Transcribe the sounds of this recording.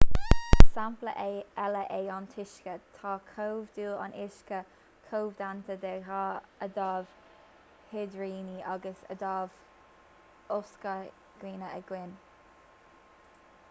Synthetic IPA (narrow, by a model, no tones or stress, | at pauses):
samplə̰ʔeɛləʔeːɑnt̪ʰɪʃkət̪ʰɑːkʰowvd̪uːla̰nʔɪʃkə | kʰoːvd̪ant̪ʰəd̪ɛɾaːəd̪ɑːv̥ | hɪd̪ɹiːniʔaɡəsə̰d̪ɑːv | oskə | ɡ̥ɾiːnəəɡwɪn